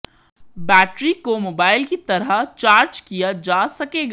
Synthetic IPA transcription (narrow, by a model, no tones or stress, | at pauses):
bɛːʈɾikomoːbaːɪlkit̪ɐɾəɦt͡ʃaːɾd͡ʒkijad͡ʒaːsɐkeːɡa